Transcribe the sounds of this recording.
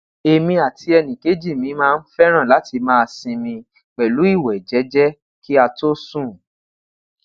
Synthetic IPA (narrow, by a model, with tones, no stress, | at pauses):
e˧mĩ˧a˨tʰi˧ɛ˧nĩ˨ke˨˦d͡ʒi˦˨mĩ˨˧˦mãː˦˧n̩˦fɛ˦ɾ̃ã˦˨la˨˦ti˧mãː˦˧sĩ˧mĩ˧ | k͡pɛ˨lu˨˦i˦˨wɛ˨d͡ʒɛ˨˦d͡ʒɛ˦ | ki˦a˧to˦sũ˦˨